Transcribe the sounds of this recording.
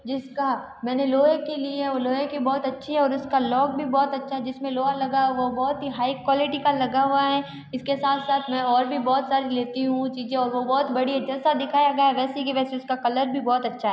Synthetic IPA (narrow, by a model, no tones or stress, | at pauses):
d͡ʒɪska | mɛ̃ːneloːẽkelieɛoːloːɦẽkibɔːt̪ɐtːʃʰiɦɛɔːɾʊskalɔːk̚bʱibɔːt̪ɐtːʃʰaɦɛd͡ʒɪsmẽloːalɐɡaʋobɔːt̪ɦiɦaːikwɔːlɪʈikalɐɡaɦuaɦɛ | ɪskesaːt̪ʰsaːt̪ʰmɛ̃ɔːɾbʱibɔːt̪saːɾileːt̪iɦũt͡ʃiːzẽɔːɾʋobɔːt̪bɐɽiɦɛd͡ʒɐlsad̪ɪkʰaːjaɡɐjaɦɛʋɛːsek̬iʋɛːseʊskakɐləɾbʱibɔːt̪ɐtːʃʰaɦɛ